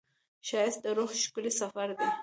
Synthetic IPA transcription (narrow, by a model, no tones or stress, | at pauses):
ʃɑjɪst̪̚d̪əɾoxʃkəlisafaɾd̪e